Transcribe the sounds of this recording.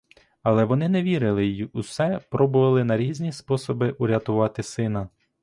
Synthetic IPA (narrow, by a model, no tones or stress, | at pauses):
ɐlˠɛʋɔnɪnɛʋʲiɾɪlˠɪjjusɛpɾɔbʊʋɐlˠɪnɐɾʲizʲnʲispɔsɔbɪʔʊɾʲɐt̪ʊʋɑt̪ɪsɪnɐ